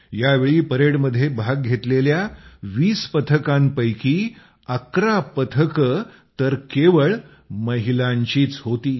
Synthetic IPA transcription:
jaʋeɭiːpəɾeɽməd̪ʱːjebʱaɡ̚ɡʱet̪leljaʋiːspət̪ʰəkãmpəjkiː | əkɾapət̪ʰəkə | t̪əɾkeʋəɭ | məɦilaɲt͡ɕiːt͡sɦot̪iː

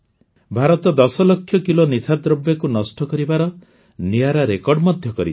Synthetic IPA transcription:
bʱaɾɔt̪ɔd̪ɔsɔlɔkʰːjɔkilonisʰad̪ɾɔbjakunɔsʈɔkɔɾibaɾɔ | niaɾaɾekɔɾɖmɔd̪ʱjɔkɔɾi

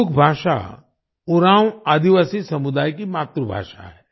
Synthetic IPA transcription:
ʊkʰbʱaːʃa̰ | ʊɾãːwaːd̪iʋaːsisɐmʊd̪aːjkimaːt̪ɾəbʱa̰ːʃa̰ɦɛː

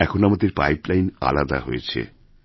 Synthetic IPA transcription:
ɛkʰonamad̪eɾpajplajna̰lad̪a̰ɦojet͡ɕʰḛ

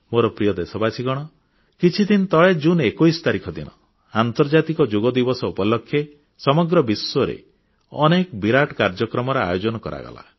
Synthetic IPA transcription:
moɾɔpɾijɔd̪esɔbasʰiɡɔɽ̃ɔ | kit͡ʃʰid̪int̪ɔɭed͡ʒunekojsɔ̥t̪aɾikʰɔd̪inɔ̰ | ant̪ɔɾd͡ʒat̪ikɔd͡ʒoɡɔd̪ibɔsɔupɔlɔkʰːje | sɔmɔɡɾɔbisːɔɾḛ | ɔnekbiɾaʈkaɾd͡ʒɔkɾɔmɔɾɔa̰jod͡ʒɔnɔkɔ̰ɾa̰ɡɔ̰la̰

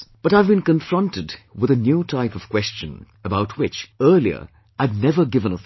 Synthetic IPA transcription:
b̥ʌɾaɪvbɨ̃nkɨ̃ɱfɹʌ̃ntɨdwɨðɨnjutʰaɪpʌv̥kʰw̥ɛst͡ʃɨ̰̃n | əbaʊt̚ʰwɪt͡ʃɜ˞liə̰˞ | aɪdⁿnɛvə˞ɡɪvə̃nə

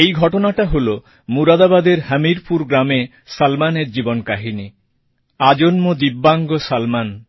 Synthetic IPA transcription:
ejɡʱɔʈonaʈaɦolo | muɾad̪abad̪eɾɦəmiɾpuɾɡɾame | salmaneɾd͡ʑibonkaɦini | ad͡ʑonmod̪ibːaŋɡosalman

